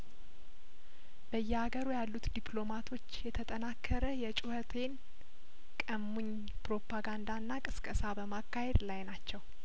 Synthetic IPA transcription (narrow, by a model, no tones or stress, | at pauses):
b̥əjːɛaɡəɾujalːut̪d̪iplo̞mat̪ʰo̞t͡ʃːjɛt̪ʰət̪ʼənakʰːəɾəjɛt͡ʃʼuhət̪ʰe̞n | kʼəmːuɲ | pɾo̞pːaɡand̪anːakʼɨskʼəsabəmakːahe̞d̪lajnat͡ʃːɛw